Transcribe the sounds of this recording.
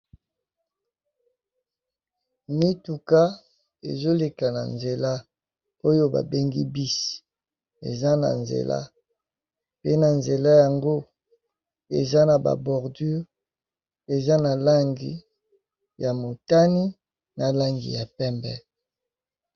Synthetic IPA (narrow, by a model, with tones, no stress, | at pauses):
ni˦tu˨ka˦ | ḛ˨zo˦le˨ka˨na̰˨nze˨la˦ | o˦jo˦ba̰˨be˦ŋɡi˦bi˦si̥˨ | ḛ˨za˦na̰˨nzḛ˨la̰˦ | pe˦na˨nze˨la˦ja˨ŋɡo˦ | e˨za˦na˨ba̰˨bɔ˨ʁdy˦ʁ | e˨za˦na˨la˦ŋɡḭ˨ | ja˨mo˨ta˦ni˦ | na˨la˦ŋɡḭ˨ja˨pɛ˦mbɛ˦